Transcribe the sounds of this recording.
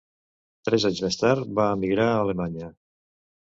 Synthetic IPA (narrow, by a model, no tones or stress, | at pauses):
t̪ɾɛzaɲzmest̪aɾt̪βaːmiɣɾaəːlemaɲə